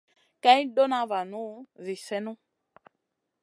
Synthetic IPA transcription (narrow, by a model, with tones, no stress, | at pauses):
ka˦ĩ˦do˦nã˦va˨nũ˦zi˨sɛ˦nũ˦